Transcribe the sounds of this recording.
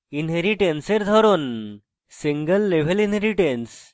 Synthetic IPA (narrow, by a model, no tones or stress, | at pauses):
inɦeɾiʈenseɾd̪ʱɔɾon | siŋɡəlːeʋ̤elinɦeɾiʈens